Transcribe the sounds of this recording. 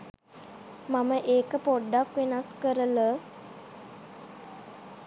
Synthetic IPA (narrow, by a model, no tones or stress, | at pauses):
maməʔeːkəpoɖːakʋenaskəɾələ